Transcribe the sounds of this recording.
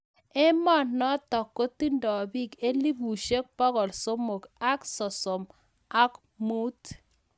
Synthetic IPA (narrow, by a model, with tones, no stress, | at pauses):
e˦mɔ˦nːɔ˦tɔ˨kːo˦ti˦ndɔ˨bi˦ke˦li˦bu˨ʃe˦k̚pɔ˦ɣɔ˨lso˦mo˨ka˦ksɔ˨sɔ˨m | a˦k | mu˦t